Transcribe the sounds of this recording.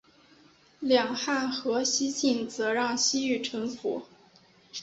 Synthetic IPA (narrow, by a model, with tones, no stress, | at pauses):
ljɑ˨˩ŋxa˥˩nxɤ˧˥ɕi˥t͡ɕi˥˩nt͡sɤ˧˥ɻɑ˥˩ŋɕi˥y˥˩ʈ͡ʂʰɤ˧˥ŋfṵ˧˥˦